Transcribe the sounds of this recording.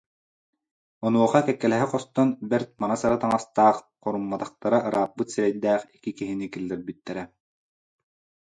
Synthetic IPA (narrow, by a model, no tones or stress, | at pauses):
ɔnuɔχakɛkːɛlɛɦɛqɔst̪ɔnbɛɾt̪̚manasaɾat̪aŋast̪aːχ | qɔɾumːat̪aχt̪aɾaʔɯɾaːp̚bɯt̪siɾɛjd̪æːχikikiɦinikilʲːɛɾbit̪ːɛɾɛ